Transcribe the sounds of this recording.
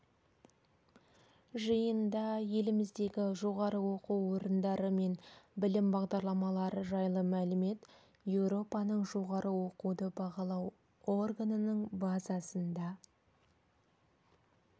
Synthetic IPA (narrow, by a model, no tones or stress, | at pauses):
ʒəjənd̪ɑje̞lɪmɪzd̪e̞ɡʲɪʒo̞ʁɑɾəwo̞quwwo̞ɾənd̪ɑɾəme̞nbɪlɪmbɑʁd̪ɑɾlˠɑmɑlˠɑɾəʒɑjlˠəmælɪme̞t̪ | je̞wɾo̞pɑnəɴʒo̞ʁɑɾəwo̞qud̪əbɑʁɑlˠɑw | o̞rɡanənəɴbɑzɑsənd̪ɑ